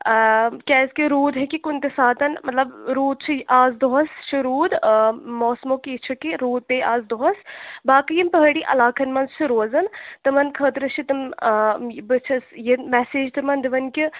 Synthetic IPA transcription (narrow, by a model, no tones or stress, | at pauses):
kʲɛːskiɾuːd̪ɦekikunt̪esaːt̪ɐnmɐt̪lɐbɾuːd̪̚t͡ʃʰiʔaːzd̪oɦɐst͡ʃʰiɾuːd̪mɔːsmoːkit͡ʃʰɐkiɾuːd̪̚peːaːzd̪oɦɐsbaːkɨjimpɐɦəɽiʔɐ̰laːkʰɐnmɐnzt͡ʃʰiɾoːzɐnt̪ɐmɐnkʰəːt̪ɾɐt͡ʃʰit̪ɨm | bɨt͡ʃʰɐsjimɛseːd͡ʒt̪ɨmɐnd̪iʋɐnkʲi